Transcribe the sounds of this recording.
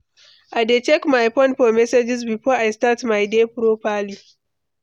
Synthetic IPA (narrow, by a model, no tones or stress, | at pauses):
ʔadet͡ʃɛkmajpɔnɸɔːmɛsed͡ʒɪs̬biɸɔʔajstatmajdeɸɾoːɸaːli